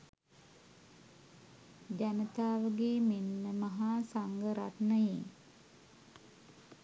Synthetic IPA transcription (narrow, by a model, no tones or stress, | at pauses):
d͡ʒanət̪aːʋəɡeːmenːəmaɦaːsaŋɡəɾat̪nəje